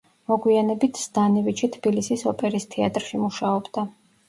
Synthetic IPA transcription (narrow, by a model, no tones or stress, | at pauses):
mɔɡwianɛbit̪ʰsd̪̥anivit͡ʃʰit̪ʰb̥ilisisɔpʼɛɾist̪ʰɛat̪ʼɾʃimuʃaɔbd̪a